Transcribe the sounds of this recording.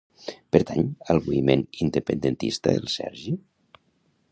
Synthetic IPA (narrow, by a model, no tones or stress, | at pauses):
pəɾt̪aɲəlˠβuimenind̪əpənd̪ənt̪ḭst̪ə̰elˠsɛ̰ɾʒi